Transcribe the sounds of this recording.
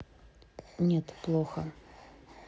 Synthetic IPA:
nʲɛt̪plˠɔxɐ

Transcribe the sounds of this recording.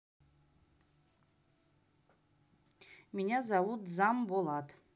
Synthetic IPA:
minʲazawutʰʼzambolatʼ

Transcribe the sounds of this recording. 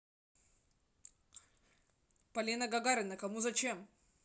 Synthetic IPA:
pɐlʲinəɡɐɡaɾʲɪnəkɐmuzɐt͡ɕem

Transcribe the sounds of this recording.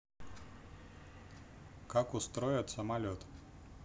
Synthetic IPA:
kakʊst̪ɾɔjɛt̪sɐmalʲot̪

